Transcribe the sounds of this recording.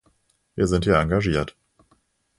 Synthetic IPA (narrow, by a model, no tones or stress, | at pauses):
viːɐzɪnthiːɐʔaŋɡaʒiːɐt